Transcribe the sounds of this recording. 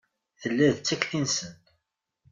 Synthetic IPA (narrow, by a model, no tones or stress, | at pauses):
θəlːæðt͡sːækθinsənt̪